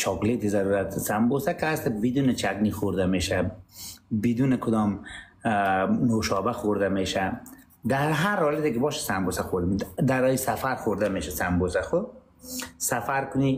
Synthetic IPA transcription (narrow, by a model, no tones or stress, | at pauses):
t͡ʃʰɔklet̪ɪzaɾuɾat̪sambosakɪast̪abid̪uːnɪt͡ʃʰaɡnixoɾd̪ameʃa | bɪd̪unɪkʰʊd̪ɔm | noʃɔbaxoɾd̪ameʃa | d̪aɦaɾhɔlat̪ekɪbɔːʃḁsambosaxoɾd̪ɪmd̪aɾɔjisafaɾxoɾd̪ameːʃasambosaxʊ | safaɾkʊni